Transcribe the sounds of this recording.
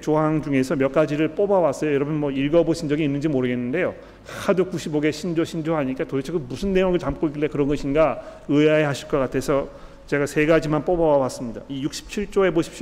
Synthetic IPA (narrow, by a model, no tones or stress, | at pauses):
t͡ɕoɦaŋd͡ʑuŋe̞sʰʌmjʌk͈ad͡ʑiɾɯɭp͈obawas͈ʌjʌjʌɾʌbʌnmwʌiɭɡʌboɕʰind͡ʑʌɡiːnːɯnd͡ʑimoɾɯɡe̞nːɯnde̞jo | kakʰadok͈uɕʰiboɡeɕʰind͡ʑoɕʰind͡ʑoɦaɲik͈atoit͡ɕʰeɡɯbusʰɯnːe̞joŋɯɭt͡ɕamk͈oik̬͈ilekɯɾʌnɡʌɕʰinɡaɯeaehaɕʰi̥ɭk͈ʌk͈atʰe̞sʰʌ | t͡ɕe̞ɡasʰe̞ɡad͡ʑimanp͈obawawas͈ɯmɲida̰ijuk̚ɕ͈ʰi̥p̚t͡ɕʰiɭt͡ɕ͈oe̞boɕʰi̥p̚ɕi